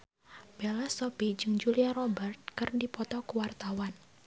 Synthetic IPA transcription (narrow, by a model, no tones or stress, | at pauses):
b̥elasopid͡ʒɨŋd͡ʒuliaɾɔbɛrt̪̚kərndipɔt̪ɔkuwart̪awan